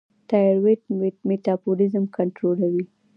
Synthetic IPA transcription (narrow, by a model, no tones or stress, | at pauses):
tajɾweʈmet̪ɑbolɪzəmkaɳʈɾolawi